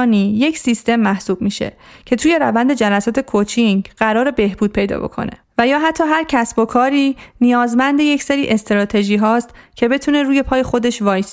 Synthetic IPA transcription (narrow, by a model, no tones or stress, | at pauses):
niːje̞csist̪e̞mːæhsuːb̥̚miːʃe̞̰cʰe̞t̪ʰuːje̞ɾævænd̪e̞d͡ʒælæsɒːt̪ʰe̞kʰot͡ʃʰiŋɡɢæɾɒːɾe̞be̞hbuːd̪̥̚pʰe̞jd̪ɒ̰ːbo̞̰kʰo̞̰ne̞̰væjɒːɦæt̪ʰːɒːɦæɾcʰæsb̥o̞kʰɒːɾiːnijɒːzmænd̪e̞je̞cʰse̞ɾiːʔe̞st̪eɾɒːt̪ʰe̞ʒiːɦɒːst̪cʰe̞be̞t̪ʰuːne̞ɾuːje̞pʰɒːje̞xo̞d̪e̞ʃvɒːjs